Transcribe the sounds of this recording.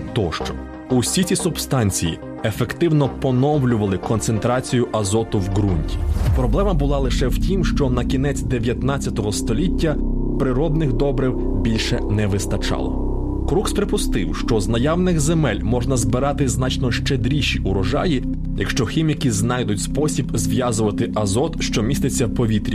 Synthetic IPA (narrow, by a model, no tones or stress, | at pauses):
t̪ɔʃt͡ʃɔ̥ | usʲit͡sʲisʊbst̪ɑnʲt͡sʲiji | efekt̪ɪwnɔpɔnɔwlʲʊʋɐlˠɪkɔnt̪sent̪ɾɑt͡sʲijʊʔɐzɔt̪ʊwɡɾunʲtʲi̥pɾɔblˠɛmɐbʊlˠɑlˠɪʃɛwtʲimʃt͡ʃɔnɐkʲin̪ɛt͡sʲd̪eʋʲjɐt̪nɑt͡sʲːɐt̪ɔɦɔst̪ɔlʲitʲːɐ | pɾɪɾɔd̪nɪxd̪ɔbɾɪw | bʲilʲʃɛnɛʋɪst̪ɐt͡ʃɑ̰lˠɔ̰ | kɾukspɾepʊst̪ɪwʃt͡ʃɔznɐjɑwnɪɣzemɛlʲmɔʒnɐzbɪɾɑt̪ɪznɑt͡ʃnɔʃt͡ʃed̪ɾʲiʃʲiʔʊɾɔʒɑ̰ji | jɐkʃt͡ʃɔxʲimʲikʲiznɑjd̪ʊtʲspɔsʲibzʋʲjɑzʊʋɐt̪ɪʔɐzɔt̪ʃt͡ʃɔmʲist̪ɪt͡sʲːɐwpɔʋʲit̪ɾʲi